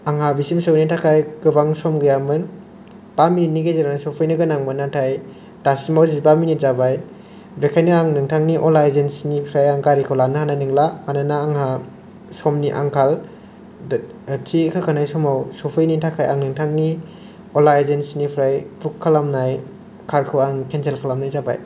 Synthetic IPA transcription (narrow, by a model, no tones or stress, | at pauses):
aŋɦabisimsɔwnitʰakʰajkɯbaŋsɔmɡɯjamɯn | paminiɡezeɾanasɔpʰɯjnɯɡɯnaŋbɯnatʰaj | tasimawzibaminizabaj | bekʰajnɯaŋnɯŋtʰaŋniʔɔlajzensnipʰɾajaŋkaɾikʰawlanɯhanajnɯŋlamananaːŋha | sɔmniʔa̰ŋkʰal | tikʰakʰanajsɔmawsɔpʰɯjnitʰakʰaja̰ŋnɯŋtʰaŋni | ɔlajzensnipʰɾajpʰukʰːalamnaj | kʰaɾkʰɯwaŋkʰensʰelkʰalamnajzaba̰j